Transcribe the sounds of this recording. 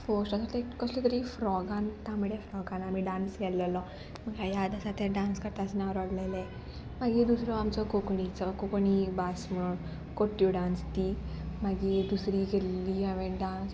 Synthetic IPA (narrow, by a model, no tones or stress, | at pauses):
fosʈasat̪ekəsluk̪əɾifɾɔɡant̪ãməɭefɾɔɡanamiɖãnskɛləlɔ | m̤əɡajad̪əsat̪eɖãnskəɾt̪asənaʋɾaɽləjle | maɡid̪usɾɔamt͡sɔkokɳit͡sɔkokɳibasm̤əɽuːn | koʈjuɖãnst̪imaɡid̪usɾiɡʱelːiaʋeɖãns